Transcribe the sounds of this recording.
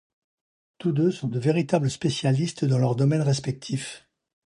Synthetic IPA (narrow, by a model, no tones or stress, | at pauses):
t̪ud̪øsɔ̃d̪əveʁit̪abləspesjalist̪d̪ɑ̃lœʁd̪ɔmɛnʁɛspɛk̚t̪ʰif